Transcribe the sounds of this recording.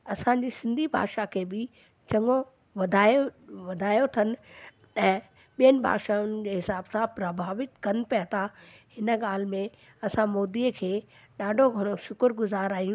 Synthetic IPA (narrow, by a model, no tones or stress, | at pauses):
ɐsãɲd͡ʑisɪ̃nd̪ʱibʱa̰ːɡʃakʰeːbɪ | t͡ɕɐŋo | ʋɐd̪ʱaːjoʋɐd̪ʱaːjot̪ʰɐnɪ̆ | ɛ̃ː | ɓijənɪ̆bʱa̰ːɡʃaʊnɪ̆d͡ʑeːɦɪsaːbsãpɾɐbʱaːʋɪt̪kɐnɪ̆pijat̪ʰa | hɪnə̆ɠaːl̤mẽ | ɐsãmoːd̪iəkʰeː | ɗaːɖʱoɡʱɐɽ̃oʃʊkʊɾɡʊzaːɾaːɦijũ